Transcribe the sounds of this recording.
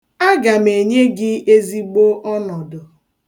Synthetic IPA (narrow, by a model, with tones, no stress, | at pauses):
a˦ɡa˨me˨ɲe˦ɡɪ˦e˦zi˦ɡ͡bo˦ʔɔ˦nɔ˨dʊ˨